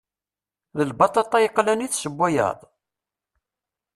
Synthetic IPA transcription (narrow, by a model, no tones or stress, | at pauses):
ðəlbɑt̪ˤɑt̪ˤːɑjəqːlæniθsəbːæjə̰ðˤ